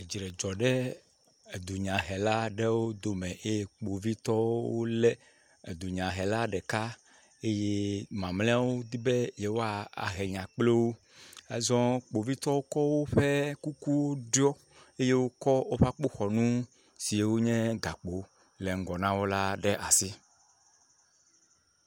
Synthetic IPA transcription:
e˨d͡ʒi˨ɾɛ˨d͡ʒɔ˨ɖɛ˦ | e˨d̪u˨ɲã˨ɦɛ˨la˦ɖɛ˦wo˦d̪o˨mɛ̃˨ʔe˦je˦k͡po˨vi˦t̪ɔ˦wo˦lɛ˦ | e˨d̪u˨ɲã˨ɦɛ˨la˦ɖɛ˨ka˦ | e˦je˦mã˨mlɛ̃˦a˦wo˦d̪i˦bɛ˦jɛ˨wo˦a˨a̰˨ɦɛ˨ɲã˨k͡ple˦wo˦ | ɛ˦zɔ̃˦k͡po˨vi˦t̪ɔ˦wo˦kɔ˦wo˦ɸɛ˦ku˦ku˦wo˦ɖjɔ˦ | e˦je˦wo˦kɔ˦wo˦ɸa˦k͡po˦xɔ˨nũ˦ | si˨e˦wo˦ɲɛ̃˦ɡa˨k͡po˨ | lɛ˨ŋ̩˨ɡɔ˨nã˦wo˦la˦ɖɛ˦ʔa˨si˦

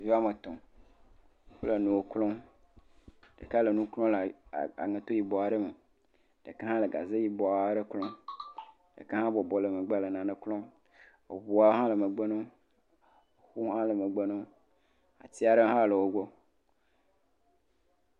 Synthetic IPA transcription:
vi˦a˦me˨t̪ɔ̃˨˦ | fo˦lə˨nũ˨wo˨klɔ̃˦ | ɖ̥ə̰˨ka˦lə˨nũ˦klɔ̃˦la̰˨ŋẽ˨t̪o˦ji˨bɔ˨a˨ɖə˦me˨ | ɖ̥ə˨ke˦ɦã˦lə˨ɡa̰˨ze˦ji˨bɔ˨a˨˦ɖə˦klɔ̃˦ | ɖə̰˨ke˦ɦã˦bɔ˨bɔ˨lə˨me˨ɡ͡be˦lə˨nã˨nə˨klɔ̃˦ | ḛ˨wu˨a˦wo˦ɦã˦lə˨mə˨ɡ͡be˦nõ˦˨ | xu˦ɦã˦lə˨mə˨ɡ͡be˦nõ˦ | a̰˨t̪i˦a˨ɖə˦ɦã˦˨lə˨wo˦ɡʷo˦

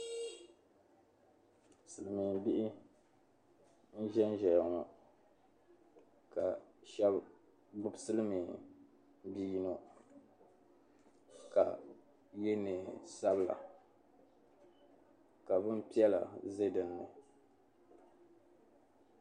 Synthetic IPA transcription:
sɨ˨lɨ˨mi˨bi˦ʔɪ˦ | n̩˦ʒɛ˦n˦ʒɛ˨jŋɔ˨ | ka˨ʃɛ˦b | bʊ˦bsɨ˦lɨ˦mi˨ | m˦bi˦ji˦no˦ | ka̰˨ | je˦nɨ˨sa˦bla̰˨ | ka˨bɨ˦m˦pi˦ɛ˦la̰˨ze˦dɨ˨nːɨ˨

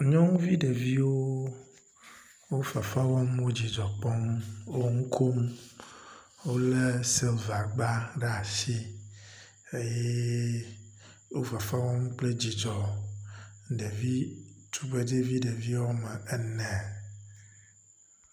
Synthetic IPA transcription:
ɲɔ̃˦ŋũ˦vi˦ɖe˨vi˦woo˦ | wo˦fa˨fa˦wɔ˦mwo˦d͡ʑi˨d͡ʒɔ˨k͡pɔ˦mwo˦ŋu˦kʰo˦m | wo˦le˦sɛ˦lva˨ɡ͡ba˦ɖe˦a˨si˦ | e˦je˦ | wo˦fa˨fa˦wɔ˦m˦k͡ple˦d͡ʑi˨d͡ʒɔ˨ | ɖe˨vi˦t̪ʰu˦be˦de˦vi˦ɖe˨vi˦wo˦mɛ̃˨ɛ˦nɛ̃˨

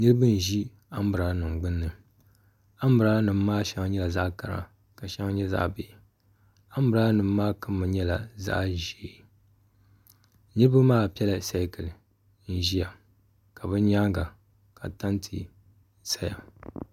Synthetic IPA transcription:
nɨ˦ɾɨ˦bɨ˦n̩˨ʒi˦ | a˦m˦bɨ˨ɾa˨˦nɨ˨ŋ͡mɡ͡bɨ˦nːɨ˨ | a˦m˦bɨ˨ɾa˦lnɨ˨m̩ː˦aː˦ʃɛ˦ŋa˦ɲɛ˦la˨za˦ʔka˨ɾa̰˨ | ka˨ʃɛ˦ŋa˦ɲɛ˦za̰˦ʔbe˨ | a˦m̩˦bɨ˨ɾa˦nɨ˨m˦maː˦kɨ˦mːɨ˨ɲɛ˦la˨za̰˦ʔʒeː˨˦ | nɨ˦ɾɨ˦bɨ˦maː˦˨pi˦ɛ˦la˨sa˦kɨ˨lɨ˨ | n̩˨ʒi˦ja˨ | ka˨bɨ˦ɲaː˦ŋɡa˨ | ka̰˨ta˦ntʰi˨ | sa˦ja̰˨

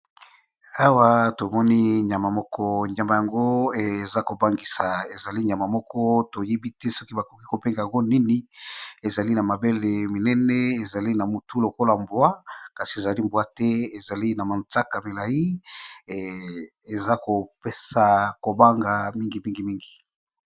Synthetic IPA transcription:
a˦wa˦to˨mɔ˦ni˦ɲ˨a˨ma˨mɔ˦kɔ˦ɲa˨ma˨ja˨ŋɡo˦˨za˦ko˨ba˦ŋɡi˨sa˨e˨za˨li˦ɲa˨ma˨mɔ˦kɔ˦to˨je˦bi˦tɛ˦sɔ˦ki˦ba˨ko˨ki˦ko˨pe˦ŋɡa˨ja˨ŋɡo˦ni˦ni˨e˨za˨li˦na˨ma˨be˦le˨mi˨nɛ˦nɛ˦e˨za˨li˦na˨mu˨tu˦lo˨ko˦la˨mbwa˦ka˨si˨e˨za˨li˦mbwa˦tɛ˦e˨za˨li˦na˨ma˨nt͡sa˦ka˨me˨la˨ji˦˨ | e˨za˦ko˨pe˦sa˨ko˨ba˦ŋɡa˨mi˦ŋɡi˨mi˦ŋɡi˨mi˦ŋɡi˨

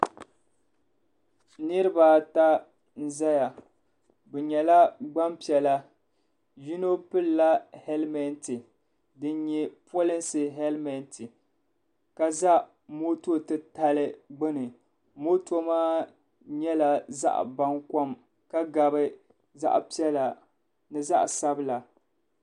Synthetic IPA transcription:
nɨ˦ɾɨ˦ba˨ta˦ | n̩˦za˦ja˨ | bɛ˨ɲɛ˨la˦ɡ͡ba˦mpi˨ɛ˨la˦ | ju˦no˦pɨ˦lla˦hɛ˦lmɛ˦ntɨ˨ | dɨ˦nɲɛ˦po˦lɪ˦nsɨ˨ɦɛ˦lmɛ˨ntɨ˨ | ka˦za˦ | mo˦to˦˨tɨ˦ta˦lɨ˦ɡ͡bɨ˦nɨ˨ | mo˦to˦maː˦ | ɲɛ˦la˦za̰˦ʔba˦ŋka˦m | ka˦ɡa˨bɨ˦ | za̰˦ʔpi˦ɛ˦la˨ | nɨ˦za˦ʔsa˦bɨ˦la˨

